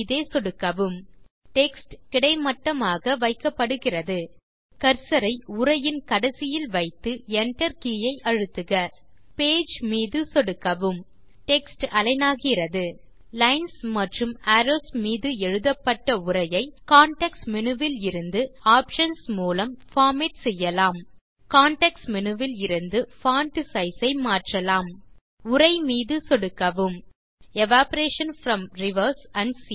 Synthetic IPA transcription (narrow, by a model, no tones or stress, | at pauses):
ðeːsɔɽɯkːɐʋɯm | ʈɛksʈkɪɽɐɪmɐʈːɐmaːɣɐʋɐɪkːɐpːɐɽɯɣɪrɐðɯ | kɐɾsɐɾɐɪʊrɐjɪnkɐɽɐsɪjɪlʋɐɪt̪ːɯɛɳʈɐɾkijɐɪʔɐɻɯt̪ːɯɣɐ | peːd͡ʒmiːðɯsɔɽɯkːɐʋɯm | ʈɛksʈɐlɐɪnaːɣɪrɐðɯ | lɐɪnsmɐʈrɯmɐɾoːsmiːðɯɛɻɯðɐpːɐʈːɐʊrɐjɐɪkaːɳʈɐksmɪnɯʋɪlɪɾɯnd̪ɯaːpʃɐnsmuːlɐmfaːmɛʈsɛjːɐlaːm | kaːɳʈɐksmɪnɯʋɪlɪɾɯnd̪ɯfaːɳʈɪsɐɪsɐɪmaːʈrɐlaːm | ʊrɐɪmiːðɯsɔɽɯkːɐʋɯm | ɛʋaːpɐɾeːʂɐnfɾɐmɾɪʋɐɾsɐɳɖsi